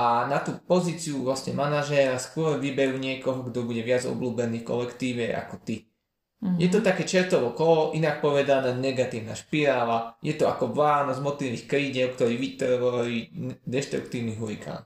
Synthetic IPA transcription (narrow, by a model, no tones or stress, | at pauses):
ʔanat̪uːpɔziːt͡siuʋlasɲɛmanaʒɛɾaskʊɔɾʋibɛɾuːɲɪɛkɔɦɔɡd̪ɔbuɟɛʋɪad͡zɔ̰bluːbɛniːfkɔ̰lɛkt̪iːʋɛʔa̰kɔt̪i | jɛt̪ɔt̪akɛːt͡ʃɛɾt̪ɔʋɔkɔlɔʔinak̚pɔʋɛd̪anɛːnɛɡat̪iːʊna̰ʃpiɾaːlajɛt̪ɔa̰kɔʋaːnɔzmɔt̪liʋiːxkɾiːɟɛʊkt̪ɔɾiːʋit̪ɔɾʋɔalid̪ɛʃt̪ɾukt̪iːʊniɦuika̰ːn